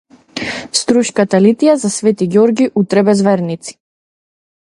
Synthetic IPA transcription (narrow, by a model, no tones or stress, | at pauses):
st̪ɾuʃkat̪alit̪ijazasvɛt̪iɡjɔɾɡiʔut̪ɾɛbɛzvɛɾnit̪si̥